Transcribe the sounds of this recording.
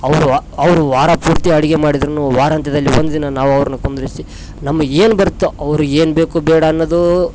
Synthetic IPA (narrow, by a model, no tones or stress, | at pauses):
ɐʋɐɾuɐʋɐɾuʋaːɾɐpuːɾt̪iɐɽiɡemaːɽid̪ɾɐnuʋaːɾɐnt̪ʰɐd̪ɐlːiʋond̪ud̪inɐnaːʋuɐʋɐɾɐnukond̪uɾisi | nɐmːɐe̞ːnubɐɾut̪ːuɐʋɐɾue̞ːnbe̞ːkubɛːɽɐːnːɐd̪u